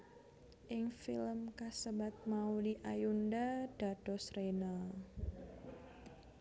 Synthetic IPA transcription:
ʔɪŋfiləmkasəbat̪̚maudiʔajundad̥a̤d̥ɔ̤sɾenal

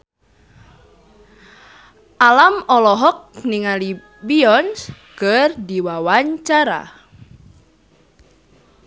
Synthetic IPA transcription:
ʔalamɔlɔɦɔk̚niŋali | biɔns | kərdiwawaɲt͡ʃaɾa̰

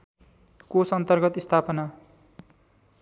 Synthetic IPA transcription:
kosʌnt̪ʌrɡʌt̪ist̪ʰapʌna

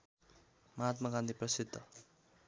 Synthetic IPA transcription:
mʌɦat̪maɡãnd̪ʱiprʌsid̪ʱːʌ

